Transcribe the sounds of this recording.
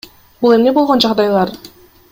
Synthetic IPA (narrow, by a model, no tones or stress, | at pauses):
bulˠemnebolˠʁond͡ʒɑʁd̪ɑjlˠɑɾ